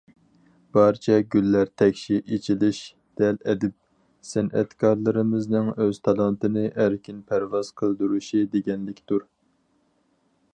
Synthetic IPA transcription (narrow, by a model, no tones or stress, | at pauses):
b̥ɑɾt͡ʃʰɛɡʲylːæɾt̪ʰɛkʲʃiʔet͡ʃʰilɪʃ | d̪̥ɛlɛd̪ɪp̚ | sɛnɛ̰t̪kʰɑɾlˠɨɾɨmɨznɨŋøz̥t̪ʰɑlˠɑnt̪ɨnɨʔæɾkʲinpʰæɾvɑz̥qʰəlˠd̪uɾuʃid̪eɡʲɛnlɪkʲd̪uɾ